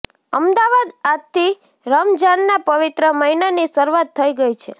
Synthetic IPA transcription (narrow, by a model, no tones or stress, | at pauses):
əmd̪aʋad̪att̪ʰːi | ɾəmd͡ʒanːapəʋɪt̪ɾəməɦinanisəɾuʋat̪ʰːəiɡəjt͡ʃʰḛ